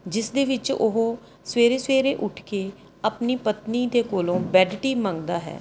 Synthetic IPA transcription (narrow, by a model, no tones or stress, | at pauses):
d͡ʒɪsd̪eːʋɪt͡ʃʊ̰ɦo | sweːɾeːsʋeːɾeːʔʊʈʰkeː | apniːpət̪niːd̪eːkoːlõːbɛːɖʈiːmə̃ŋɡd̪aːɦɛ̰ː